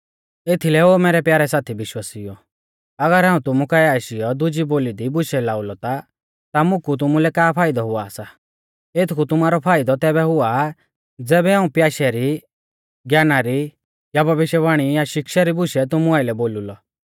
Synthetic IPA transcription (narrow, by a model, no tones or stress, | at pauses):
et̪ʰilɛoːmɛːɾɛpjaːɾɛsaːt̪ʰibɪʃwaːsijɔ | ɐɡəɾɦãːũt̪ʊmukaɛaːʃɪjɔd̪ʊd͡ʒiboːlid̪ibʊʃɛlaːʊlɔt̪a | t̪amʊ̃kʰut̪̬ʊmulɛkaːpʰaːɪd̪ɔɦʊaːsa | et̪ʰkʰut̪ʊmaːɾɔpʰaːɪd̪ɔt̪ɛːbɛɦʊa | d͡zɛːbɛɦaːũpjaːʃɛɾi | ɡjaːnaɾi | jabʱɐʋɪʃjəʋaːɽ̃ijaʃɪkʃaɾibʊʃɛt̪ʊmuaːɪlɛboːlulɔ